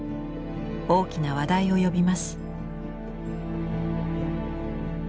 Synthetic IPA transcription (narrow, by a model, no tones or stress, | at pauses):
o̞ːkʲinaβ̞ad̪aio̞jo̞bʲimasɨ̥